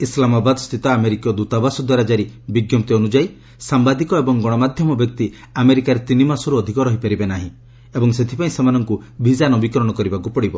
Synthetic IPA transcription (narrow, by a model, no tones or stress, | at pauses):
islamabad̪st̪ʰit̪ɔameɾikjɔd̪ut̪abasud̪ɔɾad͡ʒaɾibiɡjɔmt̪iɔnud͡ʒaj | sambad̪ikɔebɔŋɡɔɽ̃ɔmad̪ʱjɔmɔbjɔk̚t̪i | ameɾikaɾet̪inimasɔɾuɔd̪ʱikɔɾɔɦipaɾibenaɦĩ | ebɔŋset̪ʰi̥paĩsemanɔŋkubʱizanɔbikɾɔɽ̃ɔkɔɾibakupɔɽibɔ